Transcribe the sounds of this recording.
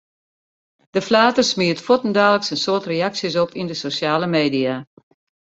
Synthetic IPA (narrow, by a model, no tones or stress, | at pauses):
d̥əflaːtərsmiətfotəndaːləksənsoətrejaksjəsɔpindəsosaːləmeːdia